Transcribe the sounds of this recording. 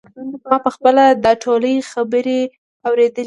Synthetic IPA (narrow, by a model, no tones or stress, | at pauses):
mɑpəxpəlad̪əʈʰoləjxabəɾe | awɾed̪əl